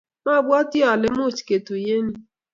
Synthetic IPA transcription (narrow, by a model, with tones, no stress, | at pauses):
ma˦˨bwɔ˦tɪ˦ɔ˨lɪ˦m˦ʊ˦˨t͡ʃi̥˨ke˨tu˨je˦ni˦